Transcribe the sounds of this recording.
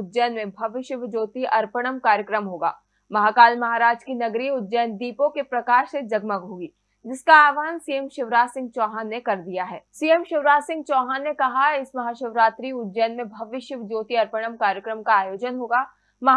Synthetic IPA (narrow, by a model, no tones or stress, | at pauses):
ʊdd͡ʒɛːnmẽbʱɐʋɪʃəʋd͡ʒoːt̪iʔɐɾpəɽ̃əmkaːɾjəkɾəmɦoːɡa̰ː | mɐɦaːkaːlmɐɦaːɾaːd͡ʒkinɐɡɾiʊd̪d͡ʒɛːnd̪iːpõkepɾɐkaːʃsed͡ʒɐɡməɡɦoːɡiː | d͡ʒɪskaaːʋaːnsiːjəmʃɪʋɾaːsɪ̃ŋɡ̚t͡ʃɔːɦanːekɐɾd̪ijaɦɛːsijəmʃɪʋɾaːsɪ̃ŋɡ̚t͡ʃɔːɦanːekɐɦaɪsmɐɦaːʃɪʋɾaːt̪ɾiʊdd͡ʒɛːnmẽbʱɐʋɪʃəʋd͡ʒoːt̪iɐɾpəɽ̃əmkaːɾjəkɾəmkaːjoːd͡ʒənɦoːɡaː | mɐɦ